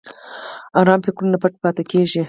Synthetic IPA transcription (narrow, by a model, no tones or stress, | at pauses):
ɑɾɑmpekɾunapaʈ̚pɑt̪akeʒi